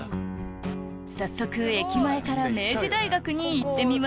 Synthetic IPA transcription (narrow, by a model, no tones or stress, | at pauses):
sasːo̞kɯ̟e̞kʲimae̞kaɾame̞ːʑid̪aiɡakɯ̟ɲ̟iːt̪ːe̞mʲima